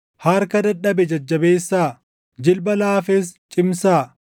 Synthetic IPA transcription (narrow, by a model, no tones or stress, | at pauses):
hɐɾkɐd̪ɐᶑɐbɛd͡ʒɐd͡ʒːɐbeːsːaː | d͡ʒɪlbɐlaːfest͡ʃʼɪmsaː